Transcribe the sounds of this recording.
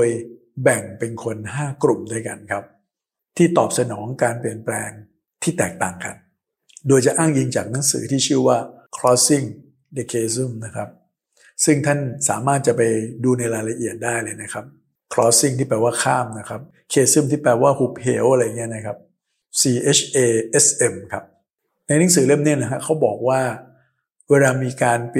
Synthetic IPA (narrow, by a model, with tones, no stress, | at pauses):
o˧j | bɛ˨˩ŋpe˧nkʰo˧nɦaː˥˩kɾu˨˩mda˥˩˨jka˧nkʰa˦˥p̚ | t̪ʰiː˥˩t̪ɔː˨˩p̚sa˧nɔː˩˦ŋkaː˧npli˨˩ənplɛː˧ŋ | t̪ʰiː˥˩t̪ɛː˨˩k̚t̪aː˨˩ŋka̰˧n | doː˧jt͡ɕa˨˩ʔaː˥˩ŋji˧ŋt͡ɕaː˨˩k̚na˩˦ŋsɯ̰ː˩˦t̪ʰiː˥˩t͡ɕʰɯ˥˩waː˥˩ | kʰɾɔː˦˥si˥˩ŋ | da˧˩kʰeː˧s̬ɯ˥˩mna˦˥kʰa˦˥p̚ | sɯ˥˩ŋt̪ʰa˥˩nsa̰ː˩˦maː˥˩t̪̚t͡ɕa˨˩pa˧jduː˧na˧jɾaː˧jla˧ʔi˨˩ət̪̚daː˥˩jlɤː˧jna˦˥kʰa˦˥p̚ | kʰlɔː˦˥si˥˩ŋt̪ʰiː˥˩p̬ɛː˧waː˥˩kʰaː˥˩mna˦˥kʰa˦˥p̚ | kʰeː˧sɯ˥˩mt̪iː˥˩pɛː˧waː˥˩huː˨˩p̚hḛː˦wʔa˧ɾa˧ja˨ŋːi˦˥ɐ˨nːa˦˥kʰa˦˥p̚ | siː˧ʔe˦˥t͡ɕʰʔeː˧ʔe˦˥sʔe˧mkʰa˦˥p̚ | na˧jna˨˦ŋsɯː˩˦le˥˩mni˦˥˩ɐna˦˥kʰa˦˥kʰa˦˥wbɔː˨˩k̚waː˥˩ | weː˧laː˧miː˧kaː˧np